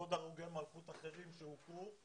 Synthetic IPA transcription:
od̪aʁuɡemalχut̪aχe̞ʁimʃeuku

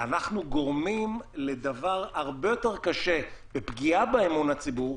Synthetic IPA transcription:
anaχnuɡo̞ʁmimle̞d̪avaʁaʁbe̞jo̞te̞ʁkaʃe̞bepɡiabeemunat͡sibuʁ

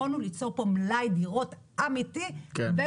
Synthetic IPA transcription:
onulit͡soʁpomlajd̪iʁo̞tʔamit̪ibe

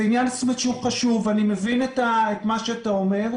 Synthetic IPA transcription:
injanasmetʃeuχaʃuvanimevinetaetmaʃeataomeʁ

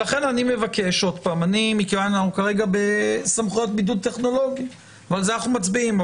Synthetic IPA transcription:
aχe̞nanime̞vake̞ʃo̞d̪paːmanimikevananaχukaʁe̞ɡabe̞samχujo̞t̪bidud̚tːe̞χno̞lo̞ɡi | avalzanaχnumat͡sbiim

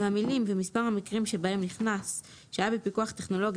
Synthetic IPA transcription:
hamilimvemispaʁhamikʁimʃebae̞mniχnas | ʃeajabepikuaχt̪eχno̞lo̞ɡ

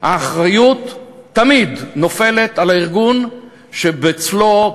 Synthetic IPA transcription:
ha̰ːχʁajut̪ːamidno̞fe̞let̪alaiʁɡun | ʃebet͡slo

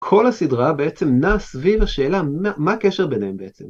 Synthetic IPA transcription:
kʰo̞lhasidʁabeet͡se̞mnaːsvivaʃe̞ːlaamakeʃebenehembeet͡sem

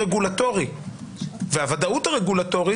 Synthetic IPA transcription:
eɡulato̞ʁi | vehavad̪authaʁeɡulato̞ʁi

